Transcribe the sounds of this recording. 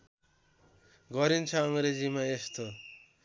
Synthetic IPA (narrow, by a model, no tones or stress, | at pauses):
ɡʌɾint͡sʰaːŋɾed͡ʒimaest̪ʰo